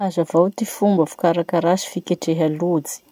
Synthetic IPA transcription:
azavawt̪ifumbəfu̥kaɾakaɾasi̥fikʲeʈ͡ʂeɦalud͡zi̥

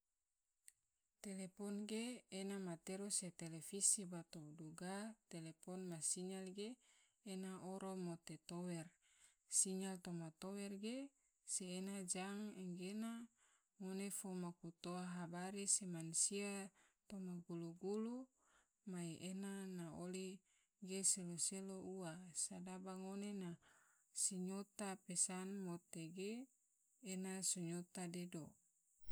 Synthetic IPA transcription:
t̪elepɔnɡeːnamat̪eɾoset̪elefisibat̪oduɡat̪elepɔnmasiŋalɡeː | naʔoɾomot̪et̪owɛr | siɲalt̪omat̪owɛrɡe | seːnad͡ʒaŋɛŋɡena | ŋonefomakut̪oaɦabaɾisemansiat̪omaɡuluɡulu | maiʔenanaoli | ɡeseloselouasadabaŋonena | siɲot̪apesanmot̪eɡeː | nasuɲot̪adedo

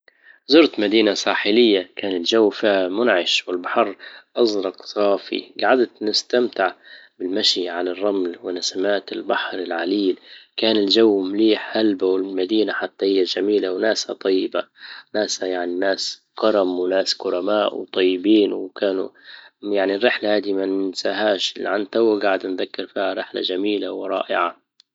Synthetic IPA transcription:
zʊɾt̪mad̪iːnasˤaːħɪlɪjːakaːnɪld͡ʒawːfiːhamʊnʕɪʃwɪlbaħɑɾˤʔɑzˤɾˤɑqsˤɑːfḭɡaʕad̪t̪nɪst̪amt̪ɪʕbɪlmaʃiʕalarˤːɑmlwɪnasamaːt̪ɪlbaħɾɪlʕaliːlkaːnɪld͡ʒawːmliːħhalbawɪlmad̪iːnaħat̪ːahɪjːaʒamiːlawnaːshat̪ˤɑjːɪbanaːshajaʕninaːs | qɑɾˤɑmwɪnaːskʊɾˤɑmaːʔwt̪ˤɑjːɪbiːnwkaːnṵjaʕnirːɪħlahaːd̪imansaːɦaːʃlʕant̪awːaɡaʕɪd̪nðakːɪɾfiːhaɾˤɪħla̰ʒamiːlawɾˤɑ̰ːʔɪ̰ʕa

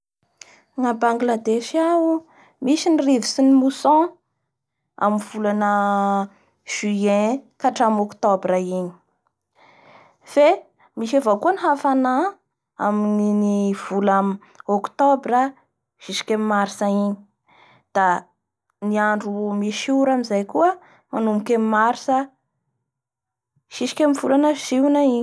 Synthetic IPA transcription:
ŋabaŋɡlad̪eʃiawu | miʃinirivisinimusɔ̃ | a̰minv̥ulanə | ʒ̥yẽkaʈ͡ʂamokt̪obɾaini̥ | fe | miʃevakuəniɦafana | a̰mininiv̥ulami | okt̪obɾə | ʃiʃi̥kʲemmaɾisaiɲi̥ | d̪̥a | niaɳɖ͡ʐumiʃuɾamizajkuə | manumikemimaɾisə | ʃiʃi̥kʲamivulanəʃiwnaiɲ

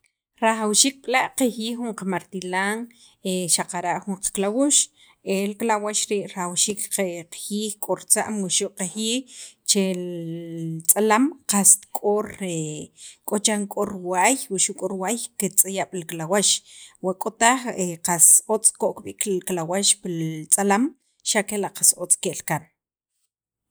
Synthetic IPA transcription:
ɾaχawʃiːk̚ɓlaʔqehjiːxuɴqamaɾt̪ilaːŋ | eʃaqaɾaʔχuɴqḁklawuʃ | elklawaʃɾiːʔɾaawʃiːkqeqḁhiːxkʼoɾt͡sa̰ʔmwiʃuʔqexjiːt͡ʃe | t͡sʼalamqast̪kʼoɾekʼot͡ʃaŋkʼoɾwajwuʃuʔkʼoɾwaːjket͡sʼajaɓ̥lklawaʃwakʼot̪aχeqasot͡sʼkoʔkɓikklawaʃpit͡sʼalam | ʃakelaʔqasot͡sʼkeʔlkan

